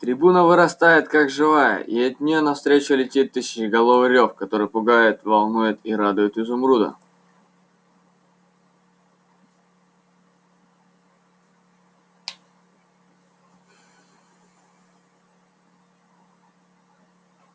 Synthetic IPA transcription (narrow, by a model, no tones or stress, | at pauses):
t̪ɾʲɪbunəvɨɾɐst̪ajɪt̪kakʐɨvajə̰ʔiɐt̪ʲnʲɪjonɐfst̪ɾʲet͡ɕʊlʲɪtʲit̪ːɨsʲɪ̥t͡ɕɪɡɐlˠovɨɾʲofkɐt̪o̞ɾɨjpʊɡajɪt̪vɐlˠnujʊt̪iɾad̪ʊjʊt̪ɪzʊmɾud̪ə̰